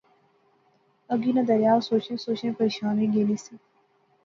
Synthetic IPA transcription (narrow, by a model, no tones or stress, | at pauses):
əɡiːnɐ̃d̪ɐɾjaːɾsoːt͡ʃẽːsoːt͡ʃẽːpəɾeːʃaːnẽɡeːliːsi